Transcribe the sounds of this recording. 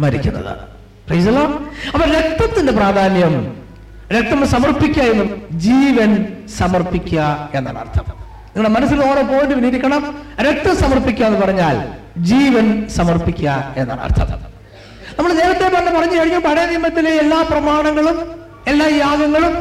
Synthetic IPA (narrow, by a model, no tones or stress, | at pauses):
mɐɾikʲːunːɐ̰ðɨ̰ | prejsɐlːoːɐpːoːɾe̞k̚t̪ːɐt̪ːinde̞praːd̪ʱaːnjɐm | ɾek̚t̪ːɐmsɐmɐrpikʲːaenːumd͡ʑiːʋɐnsɐmɐrpikʲːuɐe̞nːa̰ːɳa̰rt̪ʰɐm | niŋːɐɭɽemɐnɐs̬ːilo̞ːɾopo̞ːjenɖɨʋiniɾikʲːɐɳɐmɾek̚t̪ːɐmsɐmɐrpik̬ʲːaenːɨpɐrɐɲːaːl | d͡ʑiːʋɐnsɐmɐrpikʲːɐe̞nːa̰ːɳa̰rt̪ʰɐ̰m | nɐmːɐɭne̞ːɾɐt̪ːe̞pɐɐnːɐpɐrɐɲːukɐɻiɲːumpɐɻɐjɐnimːɐt̪ːileelːaːprɐmaːɳɐŋːɐɭum | e̞lːaːjaːɡɐŋːɐɭum